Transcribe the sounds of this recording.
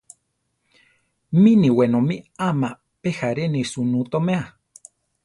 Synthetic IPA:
mĩnĩwenõmiamã | pehaɾenĩsunũt̪omea

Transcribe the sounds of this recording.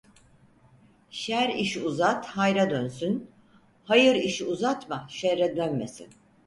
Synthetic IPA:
ʃæɾiʃiuzat̪hajɾad̪ønsyn | hajɯɾiʃiuzat̪maʃɛɾɛd̪ønmesḭn

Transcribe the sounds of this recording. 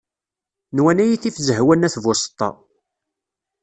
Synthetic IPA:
nwænæjiθifzəɦwænæθvʊst̪ˤːɑ̰

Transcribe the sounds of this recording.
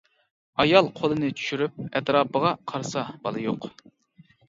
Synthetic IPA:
ɑjɑlˠqʰolˠɨnɨt͡ʃʰy̥ʃyɾyp̚ɛt̪ɾɑːpəʁɑqʰɑɾsɑbɑlˠɨjoq

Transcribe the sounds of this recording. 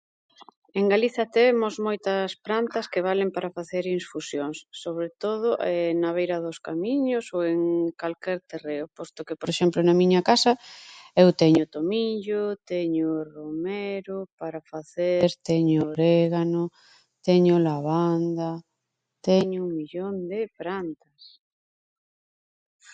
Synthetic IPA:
eŋɡaliθɐt̪emozmojt̪ɐspɾant̪ɐskeβalempaɾafaθeɾinsfusjoŋsːoβɾet̪oðʊʔɛnaβ̞ejɾɐðʊskamiɲosoweŋkalkɛɾt̪ereʊpost̪okepoɾeʃɛmplonɐmiɲakasaewt̪eɲʊt̪omiʎot̪eɲoromeɾopaɾafaθeɾt̪eɲoɾeɣano | t̪eɲolaβand̪a | t̪eɲʊuŋmiʎond̪epɾant̪as

